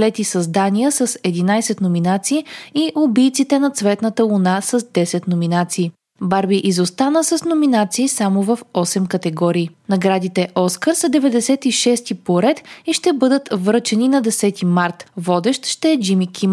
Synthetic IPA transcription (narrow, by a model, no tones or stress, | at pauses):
lɛt̪isɐzd̪anijəsəsɛd̪inajsɛt̪nominat̪siːiʔʊbijt̪sit̪ɛnɐt̪svɛt̪nət̪əlˠunasəzd̪ɛsɛt̪nominat̪siː | baɾbiʔizost̪anəsəsnominat̪siːsamovɐfɔsɛmkət̪ɛɡɔɾiːnɐɡɾad̪it̪ɛʔɔskəɾsɐd̪ɛvɛd̪ɛsɛt̪iʃɛst̪ipoɾɛt̪iʃt̪ɛbɤd̪ət̪vɾɤt͡ʃɛninɐd̪ɛsɛt̪imaɾt̪vɔd̪ɛʃt̪ʃt̪ɛːd͡ʒimikʲʰim